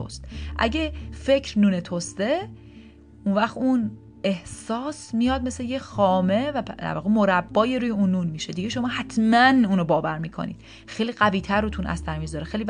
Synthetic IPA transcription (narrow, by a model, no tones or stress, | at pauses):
o̰st̪ʔæ̰ɟe̞fe̞cʰɾnuːnet̪ʰost̪e̞ | unvæxt̪un | e̞hsɒːsmijɒːd̪̚me̞slejexɒːme̞væd̪æ̰ɾvɒːɣemo̞ɾæbːɒːjeɾuːjeuːnːuːnmiːʃed̪iɟeʃo̞mɒːhæt̪ʰmænuːnobɒːvæɾmiːkʰo̞̰nḭːd̪̥̚ | xejliːɢæviːt̪ʰæɾːot̪ʰunʔæ̰st̪æɾmizɒːɾexejli